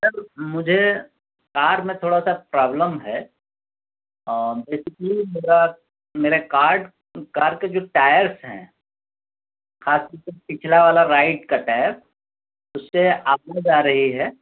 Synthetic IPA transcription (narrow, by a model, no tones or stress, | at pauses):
səɾmʊd͡ʒʱe | kaːɾmẽt̪ʰoːɽasapɾaːbləmɦɛ | beːsɪklimeːɾa | meːɾekaːɾɖ | kaːɾɖked͡ʒoːʈaːjəɾsɦɛ̰̃ | xaːst̪ɔɾk̪epɪt͡ʃʰlaʋaːlaɾaːɪʈkaʈɛːp̚ | ʊsːeaːp̚nad͡ʒaːɾɐɦiɦɛː